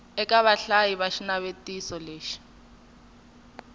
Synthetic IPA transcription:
ɛkʼaβaɬajiβaʃinaβetʼisɔleːʃi̥

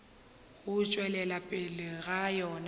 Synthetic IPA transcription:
ɣʊt͡ʃʼwɛlɛlapʼɪlɪɣajɔn

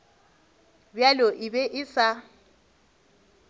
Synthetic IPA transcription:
bjaloʔɪbɛʔɪsa

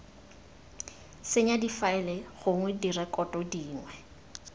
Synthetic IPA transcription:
sɪɲadifaɛlɛχʊŋwɛdirɛkʼɔtʼɔdiːŋwɛ

